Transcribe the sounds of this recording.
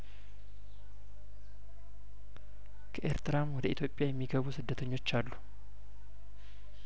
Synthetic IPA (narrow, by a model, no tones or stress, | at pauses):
kʰəʔeɾt̪ɨɾamwɔd̪əit̪ʰjo̞pʼːjajɛmːiɡəβusɨd̪ːət̪ʰəɲːo̞t͡ʃːalːu